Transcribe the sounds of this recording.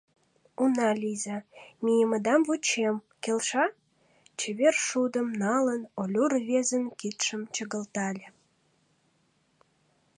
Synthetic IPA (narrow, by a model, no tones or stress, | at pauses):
unɑlʲizɑmʲijəməd̪ɑmvut͡ɕemkelʲʃɑ | t͡ɕeβerʃud̪əmnɑlənolʲurβʲezənkit̪ʃə̆mt͡ɕəɣəlt̪ɑlʲĕ